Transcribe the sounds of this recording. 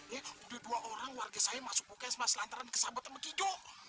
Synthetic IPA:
ɛudɛduaʔoɾaŋwarɡasajamasʊ̥k̚pokɛsmaslant̪aɾankə̥sabat̪anməkid͡ʒɔʔ

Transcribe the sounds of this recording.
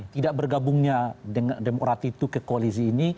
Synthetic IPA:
t̪idaʔ̚bərɡabʊŋɲadəŋademokɾat̪it̪ukəkoalis̬iːni

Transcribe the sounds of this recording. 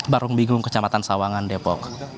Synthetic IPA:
baɾʊŋbiŋɡʊŋkə̥t͡ʃamat̪ansawaŋandepɔk̚

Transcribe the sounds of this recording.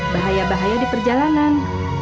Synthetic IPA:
baɦajabaɦajadipərd͡ʒalanan

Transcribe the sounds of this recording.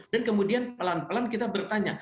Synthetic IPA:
dankəmudianpəlanpəlankit̪abərt̪aɲa

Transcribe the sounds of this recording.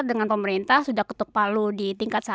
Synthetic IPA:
dəŋanpəməɾint̪ahsudahkə̥t̪ʊk̚paludit̪iŋkat̪sa

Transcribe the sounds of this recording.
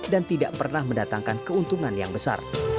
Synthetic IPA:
dant̪idaʔpərnahməndat̪aŋkankəunt̪uŋanjaŋbəsa̰r

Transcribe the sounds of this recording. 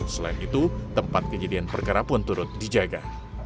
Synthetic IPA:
səlaɪnit̪ut̪əmpat̪̚kəd͡ʒadianpərkaɾapʊnt̪uɾʊt̪̚did͡ʒaɡa

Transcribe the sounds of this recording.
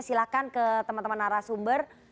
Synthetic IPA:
silakankət̪əmant̪əmanaɾasumbər

